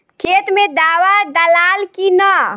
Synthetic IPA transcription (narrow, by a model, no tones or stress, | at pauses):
kʰeːt̪mẽd̪aːwad̪əlaːlkinə